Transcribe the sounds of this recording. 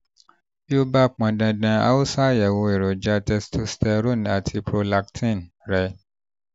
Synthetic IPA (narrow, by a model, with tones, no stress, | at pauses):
bi˦o˦ba˦˨k͡pã˨dã˧dã˧a̰˦u˦sa˦jɛ˨wo˨˧e˨ɾo˨d͡ʒa˦tɛ˧stʰo˦stɛ˧ɾo˦˨n˨a˨tʰi˧pɾo˧la˨ktʰĩ˦˨n | ɾɛ˨˦